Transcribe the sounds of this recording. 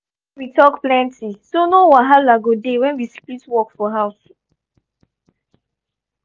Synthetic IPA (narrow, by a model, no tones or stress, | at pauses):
witɔkplɛ̃ntisonowaɦalaɡodewɛ̃nwisklitwɔkfɔɦaʊs